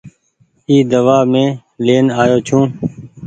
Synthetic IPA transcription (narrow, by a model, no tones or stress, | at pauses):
iːd̪əʋaːmẽː | leːnaːjoːt͡ʃʰũː